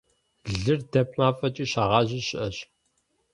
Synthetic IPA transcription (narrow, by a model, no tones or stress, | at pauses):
ɮɨrdɐp̚ʰʼħaːfɐt͡ʃʼiːɕaʁɑːʑɪɕɪʔɐɕ